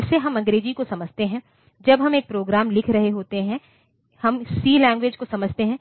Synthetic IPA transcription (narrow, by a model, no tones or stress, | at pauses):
seɦɐmɐ̃ŋɡɾeːd͡ʒikosɐməd͡ʒʱt̪eɦɛ̃ː | d͡ʒɐbɦɐmeːk̚pɾoːɡɾaːmlɪkʰɾɐɦeɦoːt̪eɦɛ̃ | hɐmsiːlɛ̃ːŋɡʋeːd͡ʒkosɐməd͡ʒʱt̪eɦɛ̃